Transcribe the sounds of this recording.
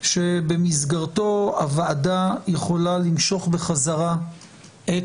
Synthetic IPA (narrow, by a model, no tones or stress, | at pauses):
ʃe̞bemizɡaʁto̞a̰vaːdajeχo̞lalimʃo̞χbeχazaʁa | ʔe